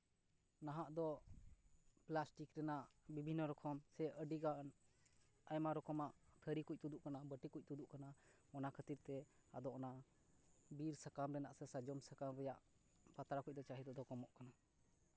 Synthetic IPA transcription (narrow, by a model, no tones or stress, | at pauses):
naɦaʔd̪ɔ | plasʈikɾɛnaʔbibʱinːəɾɔkʰɔmsɛʔəɖiɡan | ajmaɾɔkʰɔmaʔt̪ʰəɾikuc̚t̪ud̪uʔkanabəʈikuc̚t̪ud̪uʔkana | ɔnakʰət̪iɾt̪ɛa̰d̪ɔʔɔna | biɾsakamɾɛnaʔsɛsad͡ʒɔmsakamɾɛjaʔ | pat̪ɾakuc̚d̪ɔt͡ʃaɦid̪ɔd̪ɔkɔmɔʔkana